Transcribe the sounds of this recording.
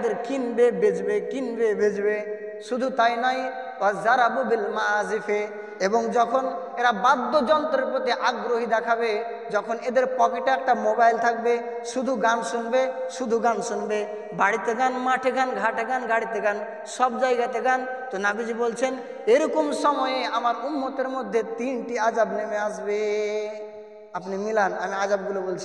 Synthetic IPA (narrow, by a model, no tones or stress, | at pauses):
d̪eɾkinbebed͡ʒbekinbebed͡ʒbe | ʃud̪ʱut̪ajnaj | azaɾabubilmazifʰe | ebɔŋd͡ʒɔkʰɔn | eɾabad̪ːod͡ʒɔnt̪ɔɾeɾpɾot̪iʔaɡɾoɦid̪ɛkʰabe | d͡ʒɔkʰɔned̪eɾpɔkeʈɛk̚ʈamobajlt̪ʰak̚be | ʃud̪ʱuɡansunbeʃud̪ʱuɡansunbe | baɽit̪eɡanmaʈʰeɡanɡʱaʈʰeɡanɡaɽit̪eɡan | sɔbd͡ʒajɡat̪eɡant̪onabid͡ʒibolt͡ʃʰen | eɾɔkomsɔmɔjeamaɾumːot̪eɾmod̪ʱːet̪inʈiad͡ʒabnemeasbe | apnimilanamiad͡ʒab̚ɡulobolt͡ʃʰi